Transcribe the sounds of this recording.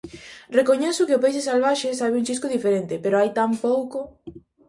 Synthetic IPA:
rekoɲɛsʊkeɪʊpejs̬esalβ̞aʃesaβɪuŋt͡ʃiskʊðifeɾent̪ɪpeɾoajt̪ampowko

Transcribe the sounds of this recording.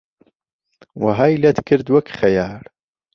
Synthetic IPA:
wɐɦaːjlɐt̪kʰɨɾd̪wɐkχɐjaːl

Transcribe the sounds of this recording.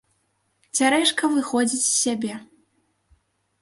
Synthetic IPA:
t͡sʲaɾɛʂkɐvɨxɔd͡zʲit͡sʲsʲːabʲɛ

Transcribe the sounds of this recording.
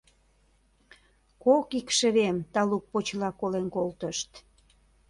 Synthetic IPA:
kokikʃə̆βemt̪ɑluk̚pot͡ɕlɑkolenkolt̪əʃt̪

